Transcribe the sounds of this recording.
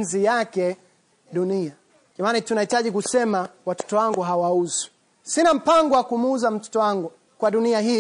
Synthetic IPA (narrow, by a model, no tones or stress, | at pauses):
zijakɛ | ɗunia | kamanitunahitaʄikusɛmawatɔ̥tɔwaŋɡuɦawauzu̥ | sinam̩paŋɡɔwakumuuzam̩tɔ̥tɔwaŋɡu | kwaɗuniaɦi